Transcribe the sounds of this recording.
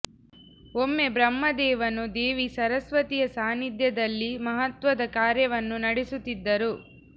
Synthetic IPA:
omːe̞bɾɐmːɐd̪ɛːʋɐnud̪eːʋisɐɾɐsʋɐt̪ijɐsaːnid̪jɐd̪ɐlːimɐɦɐt̪ʋɐd̪ɐkaːɾjɐʋɐnːunɐɽisut̪ːid̪ːɐɾu

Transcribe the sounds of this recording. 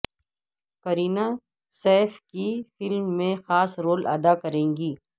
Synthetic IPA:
kɐɾiːna | sɛːfkifɪlmːẽxaːsɾoːlʔɐ̰d̪akɐɾẽːŋɡiː

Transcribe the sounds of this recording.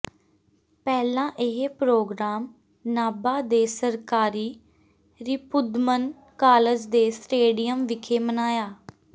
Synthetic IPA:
pɛːlãːʔɪɦepɾoːɡɾaːm | naːbaːd̪eːsəɾkaːɾiː | ɾiːpʊd̪mən | kaːləd͡ʒd̪eːsʈeːɖɪjəmʋɪkʰeːmənaːjaː

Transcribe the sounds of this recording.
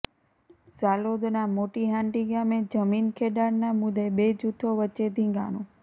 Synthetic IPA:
zalod̪namoʈiɦãɳʈiɡamed͡ʒəminkʰeɖaɽnamʊd̪ebed͡ʒut̪ʰːoʋəːʃed̪ʱĩŋɡa̰nõ

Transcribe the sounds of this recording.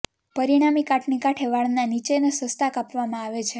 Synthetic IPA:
pəɾiɽ̃amikaʈʰnikaʈʰeʋaɭnanit͡ʃenesəst̪ʰakapʋamãaʋet͡ʃʰe

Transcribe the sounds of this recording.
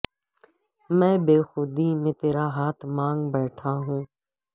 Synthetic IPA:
mɛ̃ːbeːxʊd̪iːmẽːt̪eːɾaːɦaːt̪ʰmãːŋɡbɛːʈʰaːɦũː

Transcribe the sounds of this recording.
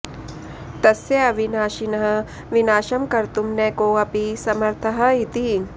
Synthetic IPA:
t̪ɐsjɐɐʋinaːʃinɐɦɐ̆ | ʋinaːʃɐmkɐɾt̪umnɛːkoːɐpisɐmɐɾt̪ʰɐɦɐit̪i

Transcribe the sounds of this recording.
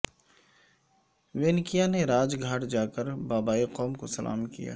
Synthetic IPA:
ʋeːnkijaneɾaːd͡ʒɡʱaːʈd͡ʒaːkəɾbaːbaːiqɔːmko̰sɐlʔa̰ːmkija̰ː

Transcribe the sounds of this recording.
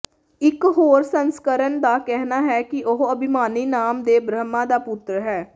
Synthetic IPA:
ɪkɦoːɾsənskəɾənd̪aːkɛɦnaːɦɛːkɪʔʊɦəbɪmaːniːnaːmd̪eːbɾəmãːd̪aːpʊt̪ɾɦɛː

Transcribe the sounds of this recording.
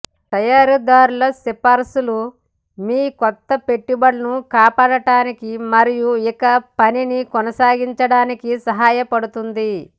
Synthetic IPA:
t̪ɐjaːɾud̪aːɾulɐsipɐɾsulu | miːkɔt̪ːɐpe̞ʈːubɐɽɐnukaːpaːɽɐʈaːnikimɐɾijuikɐpɐninikɔnɐsaːɡiɲt͡ʃɐɽaːnikisɐɦaːjɐpɐɽut̪und̪i

